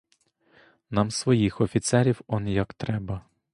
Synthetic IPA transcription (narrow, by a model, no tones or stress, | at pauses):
nɑmsʋɔjixɔfʲit̪sɛɾʲiwɔnjɐkt̪ɾɛbɐ